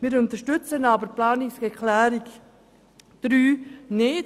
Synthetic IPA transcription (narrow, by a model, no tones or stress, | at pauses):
miːɾʊnt̪əʃtʏt͡sənɑːbəɾplaːnɪsɡɛkʰlɛːɾik | d̪̥ɾyːnɪt